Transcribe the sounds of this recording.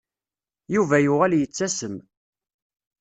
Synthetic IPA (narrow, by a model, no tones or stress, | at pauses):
juvæjʊʁæljət͡sːæsəm